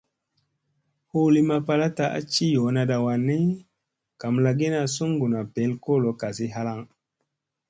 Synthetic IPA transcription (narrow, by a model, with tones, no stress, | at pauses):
hu˦li˨ma˨pa˨la˦ta˨ʔa̰˦t͡ʃi˦jo˨˦na˨da˨wa˨nːi˦ | ka˨mla˨ɡi˦na˨su˦ŋɡu˨na˨pe˨˦lko˦˨lo˨˦ka˨si˦ɦa˦la˦˨ŋ